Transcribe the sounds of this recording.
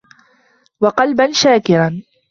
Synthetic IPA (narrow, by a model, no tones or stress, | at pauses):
wɑqɑlbanʃaːkɪɾan